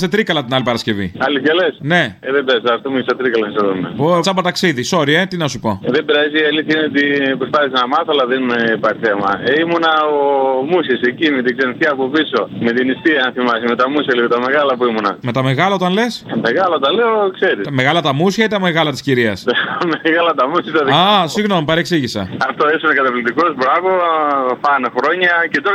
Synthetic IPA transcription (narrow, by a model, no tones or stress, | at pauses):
set̪ɾikɐlɐt̪inɐlipɐɾɐsce̞vḭɐliɐlesne̞ðebɾɐsiɐft̪omucest̪ɐt̪ɾikɐlɐnɐseðomḛosɐpot̪ɐksiðiso̞ɾie̞t̪inɐsupo̞ðebiɾɐziiɐliθjɐinet̪ipɾospɐθisznɐmɐθoɐlɐðenipɐɾθemɐ̰eimunɐomusçisecimet̪iɡzenθçɐːpopiso̞me̞t̪inist̪iɐɐnθimɐsimet̪ɐmusçɐliðot̪ɐme̞ɣɐlɐpuimunɐ̰me̞t̪ɐme̞ɣɐlɐot̪ɐnle̞smeɣɐlɐot̪ɐleokse̞ɾisme̞ɣɐlɐt̪ɐmusçɐit̪ɐmeɣɐlɐt̪i̥sciɾiɐ̰st̪ameɣɐlɐt̪ɐmusjɐit̪ɐðiasiɣno̞mupɐɾeksiʝisɐ̰ɐft̪oesinekɐt̪ɐplit̪iko̞zbɾɐvofɐnexɾo̞ɲɐcet̪o